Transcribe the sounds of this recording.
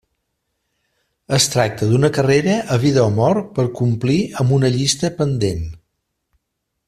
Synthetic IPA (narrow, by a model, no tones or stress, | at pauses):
əst̪ɾak̚t̪əd̪unəkəreɾəʔəβiðəomɔɾpəɾkumpliəmbunəʎist̪əpənd̪en